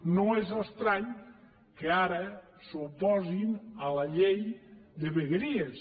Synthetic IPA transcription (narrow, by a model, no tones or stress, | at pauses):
noezəst̪ɾaɲ | keaɾə | supɔzinələʎejd̪əβeɣɾies